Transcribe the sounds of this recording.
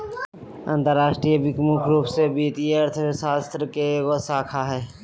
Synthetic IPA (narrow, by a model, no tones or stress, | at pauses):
ə̰̃nt̪əɾːaːʃʈɾijəʋɪkmukʰɾuːpsebiːt̪iɐɾt̪ʰəsaːst̪ɾəkeɡosaːkʰaɦɛː